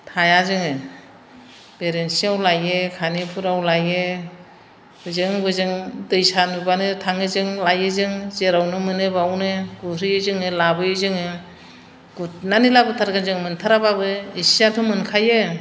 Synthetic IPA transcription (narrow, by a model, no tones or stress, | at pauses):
tʰajazɯŋɯ | beɾensiawlajekʰanipʰuɾawlajɯ | b̥ɯzɯŋbɯzɯŋdɯjsanɯbanɯtʰaŋɯzɯŋlajɯzɯŋzeɾawnɯmɯnɯbawnɯɡuɾɯjɯzɯŋɯlabɯjɯzɯŋɯ | ɡ̥unanilabɯtʰaɾɡazɯŋmɯntʰaɾababɯisijatʰomɯnkʰajɯ